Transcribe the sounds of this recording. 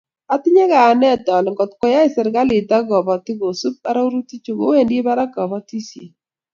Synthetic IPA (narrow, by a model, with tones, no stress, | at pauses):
a˦ti˦ɲe˦kaː˨nɛ˦˨tɔ˨lŋɡɔ˨t̚kɔ˨˦ja˦i˨sɛ˨ɾɡa˦li˨ta˦ɣɔ˨bɔ˨ti˦ɣo˨su˦p̚a˦ɾa˦u˦ɾu˦ti˦t͡ʃu˨ɡo˦we˦˨nde˦ba˦ɾa˦kɔ˨bɔ˦ti˦sjḛ˨